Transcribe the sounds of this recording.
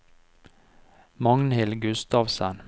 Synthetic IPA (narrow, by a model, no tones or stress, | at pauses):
mɑŋnhɪlɡʉst̪ɑːʋsən